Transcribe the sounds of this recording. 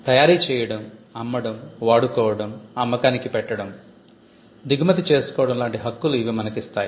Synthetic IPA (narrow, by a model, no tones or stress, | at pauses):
t̪ɐjaːɾiːt͡ʃɛːjɐɽɐmɐmːɐɽɐmʋaːɽukɔːʋɐɽɐmɐmːɐkaːnikipɛʈːɐɽɐm | d̪iɡmɐt̪it͡ʃe̞ːsu̥kɔːʋɐɽɐmlaːɳʈiɦɐkːuluiʋimɐnɐkist̪aːji